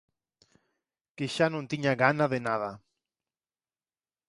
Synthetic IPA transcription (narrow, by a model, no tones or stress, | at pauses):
keʃanõnt̪iɲaɣanaðenað̞a